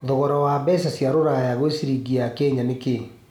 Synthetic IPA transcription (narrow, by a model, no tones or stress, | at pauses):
ðɔɣɔɾɔwabɛsasjaɾoɾajaɣosiɾiɡiakɛɲaneke